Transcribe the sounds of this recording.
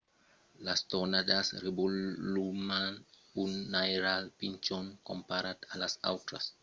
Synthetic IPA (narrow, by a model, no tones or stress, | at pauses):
last̪onad̪asrebulluman | unːajɾalpint͡ʃonkompaɾat̪alasa̰wt̪ɾa̰s